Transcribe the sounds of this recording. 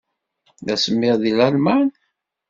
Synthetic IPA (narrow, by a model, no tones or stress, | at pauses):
ðæsəmːɪʁðilælmæn